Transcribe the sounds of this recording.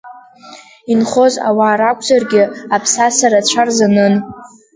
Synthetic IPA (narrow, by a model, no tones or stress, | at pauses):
inχo̞za̰waːɾakʷʰʼzarɡʲɪapʰsasaɾat͡ɕʷʰarzanɨn